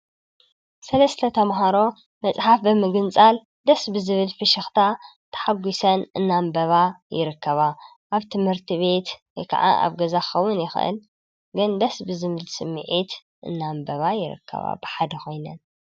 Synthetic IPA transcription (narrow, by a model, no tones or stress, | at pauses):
sɐlɐst̪ʰɐt̪ʰɐmɦaɾo̞ | mɐt͡sʼħafbɨmɨɡɨnt͡sʼal | d̪ɐsbɨzɨβɨlfɨʃɨxt̪ʰat̪ʰɐ̥ħaɡʷisɐnɨnːambɐβajɪ̰ɾɨkːɐβa | ʔaβt̪ʰɨmhɨɾt̪ʰiβe̞t̪ | kʰa̰ʕa̰ʔa̰βɡɐzaxɐwːʊnjɪxʔɨ̰l | ɡɨnd̪ɐsbɨzɨβɨlsɨmːɨ̰ʕit̪ | ʔɨ̰nːambɐβajɪɾɨ̰kʰːɐ̰βa̰bɨħad̪ɐxo̞jnɐn